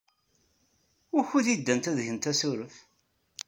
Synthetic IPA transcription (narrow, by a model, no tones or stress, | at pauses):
ʊɾçuðid̪ːænt̪æðʝənt̪æsuɾəf